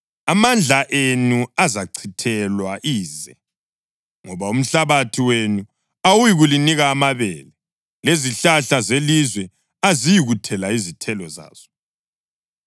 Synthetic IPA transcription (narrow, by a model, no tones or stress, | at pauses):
amand͡ɮʱaʔenuazaǀʰitʰɛlwaʔiːzɛ̰ | ŋɔβaum̩ɬaβatʰiwenu | awujiɣuliniɣaːmaβɛ̰ːlɛ | leziɬaɬazelizwɛ | azijiɣutʰɛlaizitʰɛlɔza̰ːz̥ɔ̥